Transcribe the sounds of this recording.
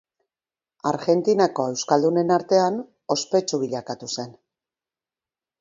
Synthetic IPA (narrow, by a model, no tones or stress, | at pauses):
aɾɣe̞nt̪inako̞e̞wskald̪une̞naɾt̪e̞an | o̞spe̞t͡ʃuβiʎakat̪use̞n